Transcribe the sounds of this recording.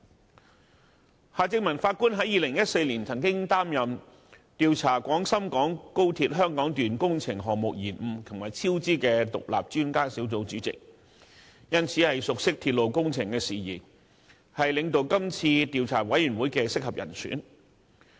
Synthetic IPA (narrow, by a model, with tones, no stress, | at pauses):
haː˨˧t͡sɪ˧ŋ̚mɐ˨˩nfaː˧t̚kuː˥nɦɐ˨˥jiː˨lɪ˨˩ŋjɐ˥t̚se˧jliː˨˩nt͡sʰɐ˨˩nkɪ˥ŋt̪aː˥mjɐ˨m | t̪iː˨˧wt͡sʰaː˨˩kʷɔː˨˥ŋsɐ˥mkɔː˨˥ŋko˥wt̪ʰiː˧t̚ɦœː˥ŋkɔː˨˥ŋt̪yː˨nkʊ˥ŋt͡sʰɪ˨˩ŋɦɔː˨ŋ̚mʊ˨k̚jiː˨˩nm̩˨˩t̪ʰʊ˨˩ma˨˩jt͡sʰiː˥wt͡siː˥kɛː˧t̪ʊ̰˨k̚la̰ː˨p̚t͡ʃyː˥nkaː˥siː˨˥wt͡so˨˥wt͡syː˨˥t͡sɪ̰˨k̚ | jɐ˥nt͡sʰiː˨˥hɐ˨jsʊ˨k̚sɪ˥k̚t̪ʰiː˧t̚lo˨wkʊ˥ŋt͡sʰɪ˨˩ŋkɛː˧siː˨˩jiː˨˩n | hɐ˨jlɪ˨˧ŋt̪o˨˧wkɐ˥mt͡sʰiː˧t̪iː˨wt͡sʰaː˨˩wɐ˨˥jyː˨˩nwuː˨˥jkɛː˧sɪ˥k̚hɐ˨p̚jɐ̰˨˩nsʰy̰ː˨˥n